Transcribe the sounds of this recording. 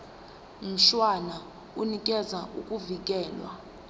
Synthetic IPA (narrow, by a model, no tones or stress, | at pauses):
m̩ʃwana | unikʼɛzaʔukʼuvik̬ʼɛːlwa̰